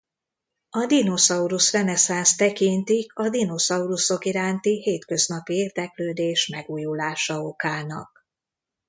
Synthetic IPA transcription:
ɒd̪ino̞sɒuɾusrɛnɛsanst̪ɛkint̪ikɒd̪ino̞sɒuɾuso̞kiɾaːnt̪iheːt̪kø̞znɒpieːrd̪ɛkløːd̪eːʃmɛɡuːjulaːʃɒo̞kaːnɒ̰k̚

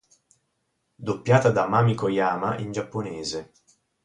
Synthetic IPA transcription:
d̪opːjaːt̪ad̪amaːmikojaːmaʔind͡ʒapːoneːze

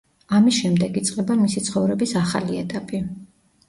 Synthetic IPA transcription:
amisʃɛmd̪ɛɡit̪sʼqʼɛbanmisit̪sʰχɔvɾɛbisaχaliɛt̪ʼapʼi

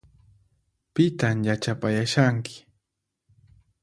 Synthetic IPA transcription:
pɪt̪amjat͡ʃapajaʃaŋkɪ̥

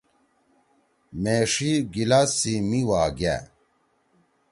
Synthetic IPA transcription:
meʂiɡilasimiwaːɡa̰

